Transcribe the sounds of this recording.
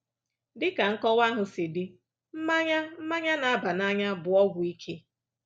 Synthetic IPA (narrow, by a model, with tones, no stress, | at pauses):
dɪ˦ka˨ŋ̩˦kɔ˦wa˦ɦʊ˨sɪ˨dɪ˦ | m̩˦ma˦ɲa˦m̩˦ma˦ɲa˦na˨a˦ba˨na˦ɲa˦bʊ˨ɔ˦ɡʷʊ˨i˦kʰe˦